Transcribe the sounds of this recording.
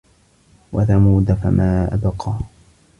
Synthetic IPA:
waθamuːd̪afa̰mʔaːʔa̰bqɑː

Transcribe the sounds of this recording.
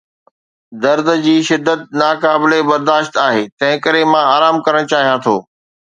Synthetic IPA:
d̪ɐɾd̪d͡ʑiːʃɪd̪ːət̪̚naːkaːbɪlebɐɾd̪aːʃt̪aːɦeːt̪ɐ̃ɦɪ̃kəɾemãaːɾaːmkɐɾəɽ̃t͡ɕaːɦijãt̪ʰo̰ː

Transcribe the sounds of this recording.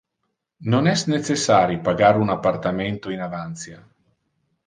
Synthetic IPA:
nonɛsnet͡ʃesːaːɾjipaɡaɾunapːart̪ament̪oinavant̪sja

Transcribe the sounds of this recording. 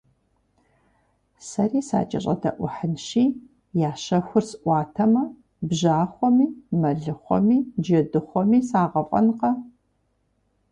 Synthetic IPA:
sɐriːsa̰ːt͡ʃʼɐɕʼɐ̰dɐʔʷʊħɨnʃiː | jaːɕɐxʷʊrsɨʔʷɑːtʰɐmɐ | bʑaːχʷɔmiːmɐɮɨχʷɔ̰miːd͡ʒɐdɨχʷɔmiːsaːʁɐpʼɐ̰nqɐ

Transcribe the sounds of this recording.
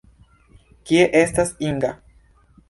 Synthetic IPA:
kieʔest̪asiŋɡa

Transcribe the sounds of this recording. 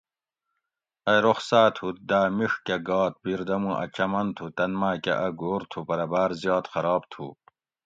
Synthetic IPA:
ɐɾoχsaːt̪ʰut̪̚d̪aːmiʂkeɡɑːt̪̚biɾd̪ɐmũʔɐ̰t͡ɕɐmɐnt̪ʰut̪ɐnmaːkḛʔɐɡoːɾt̪ʰupɐɾɐbaːɾzjɑːt̪xɐɾɑːb̚t̪ʰṵː

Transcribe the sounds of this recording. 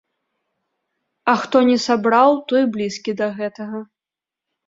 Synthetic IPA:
ɐxt̪ɔnʲɛsabɾawt̪ɔjblʲiskʲid̪ɐɣɛt̪ɐɣɐ

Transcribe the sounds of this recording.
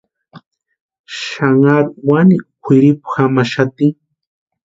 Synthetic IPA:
ʃaŋaɾwanɪkʷʰɪɾɪpḁxamaʃat̪ɪŋ

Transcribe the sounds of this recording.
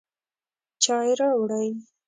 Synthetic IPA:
t͡ʃɑjɾawɽaj

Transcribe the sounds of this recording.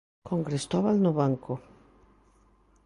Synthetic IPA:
kõŋɡɾest̪ɔβalnʊβaŋkʊ

